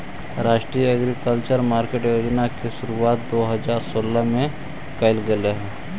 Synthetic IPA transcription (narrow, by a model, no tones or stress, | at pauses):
ɾaːʃʈɾijəɐɡɾikəlt͡ʃəɾmaːɾkeʈjoːd͡ʒnakeʃʊɾuaːt̪̚d̪oːɦɐzaːɾsoːləmẽ | kəɪlɡɐleɦɛ̃ː